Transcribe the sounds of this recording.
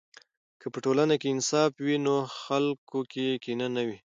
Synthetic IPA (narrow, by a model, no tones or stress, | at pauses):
kʰəpəʈolanakeɪnsɑfwinoxalkokekinanawi